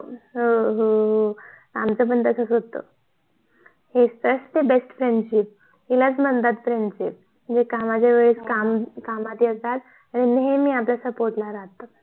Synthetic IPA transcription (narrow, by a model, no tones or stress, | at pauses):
ɦoɦoɦ | amt͡səbənt̪əkʰəsɦot̪o̰ | hest̪əsʈt̪ebesʈfɾeɳɖɕip̚ | hilat͡smənt̪at̪fɾeɳɖɕip̚ | əd͡zekamad͡ʑjaʋeɭiskamkamat̪jet̪at̪ | aɽ̃inɦemiːapljasəpoɾʈlaɾaɦt̪ə